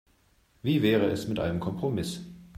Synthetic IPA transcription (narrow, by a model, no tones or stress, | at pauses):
viːvɛːʁ̞əɛsmɪtʔa̰ɪnəmkʰɔmpʁ̥omɪs